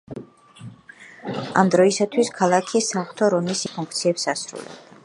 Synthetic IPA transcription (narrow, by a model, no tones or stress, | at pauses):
a̰md̪ɾɔisat̪ʰwiskʰalˠakʰisaχt̪ʰɔɾɔmisipʰuŋkʰt̪sʰiɛpsasɾṵlɛ̰b̚d̪a